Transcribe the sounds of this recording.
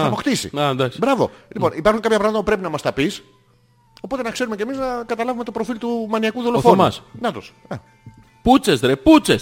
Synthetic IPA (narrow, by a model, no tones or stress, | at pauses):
ɐpoxt̪isḭɐnd̪ɐksbɾɐvo̞̰lipo̞nipɐɾxuŋkɐpçɐpɾɐmɐt̪ɐpupɾe̞pinɐmɐst̪ɐpis | o̞po̞t̪e̞nɐkse̞ɾume̞ce̞miznɐkɐt̪ɐlɐvume̞t̪o̞pɾo̞filt̪umɐniɐkuðolofonɐsnɐt̪os | ɐ | put͡sesd̪ɾeput͡ses